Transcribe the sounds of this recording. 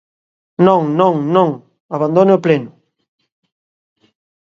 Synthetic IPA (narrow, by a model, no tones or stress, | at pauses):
nõŋnõŋnõŋ | aβand̪oneoplenʊ